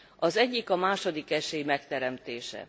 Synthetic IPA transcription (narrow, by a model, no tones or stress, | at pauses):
ɒzɛɟːikɒmaːʃo̞d̪ikɛʃeːjimɛkt̪ɛɾɛmt̪eːʃɛ̰